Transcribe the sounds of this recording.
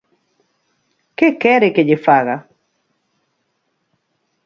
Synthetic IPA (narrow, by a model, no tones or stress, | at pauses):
kekɛɾeked͡ʒɪfaɣa